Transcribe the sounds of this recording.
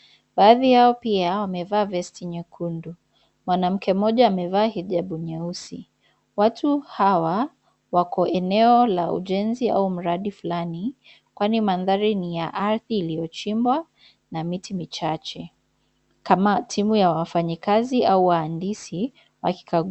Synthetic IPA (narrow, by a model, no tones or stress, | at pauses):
ɓaːðijaɔpiawamɛvaːvɛstiɲɛkʰundu | mwanam̩kʰɛm̩ɔʄaːmɛvaːhiʄaɓuɲɛusi | watʰuhawa | wakɔʔɛnɛɔlaṵʄɛnzia̰um̩ɾaɗifulani | kwanimanðaɾinijaʔaɾθiːlijɔt͡ʃimbwa | namitimit͡ʃat͡ʃɛ | kamatʰimujawafaɲikaziʔauwaandisi | wa̰ki̥kʰa